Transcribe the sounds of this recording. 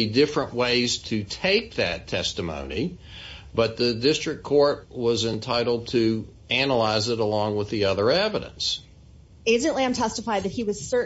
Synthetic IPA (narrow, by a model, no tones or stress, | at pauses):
idɪfɹə̃nʔweɪz̥tʰɨtʰeɪk̚ðɨ̰tʰɛstɨmõ̰ʊ̃ni | b̥ʌt̪̚ðɨdɪstɹ̥ɨkʰɔɹt̚wʌzɨ̃ntʰaɪɾl̩ˠd̚tʰɨ | ænəlaɪzɨɾəlɔ̃ŋwəðiʌðə˞ɛvəɾɨ̰̃ns | ɪ̃sɨ̃nʔliãɪmtʰɛstəfaɪd̪̚ðɨt̚hiwʌz̥sɜ˞